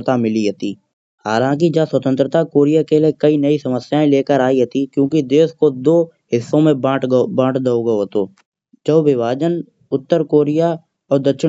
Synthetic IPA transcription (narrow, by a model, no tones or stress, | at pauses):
t̪amɪliɦɐt̪iː | haːlãːk̬id͡ʒaswət̪ə̃nt̪ɾət̪akoːɾijakelekɐinɐisɐməsjaːẽleːkəɾaːiɦɐt̪ikjõːkid̪eːskod̪oːɦɪsːõmẽbãːʈbãːʈd̪əoɡɐoɦt̪oː | t͡ʃəʊʋɪʋaːd͡ʒən | ʊt̪ːəɾkoːɾija | ɔːɾd̪ɐkʃɪ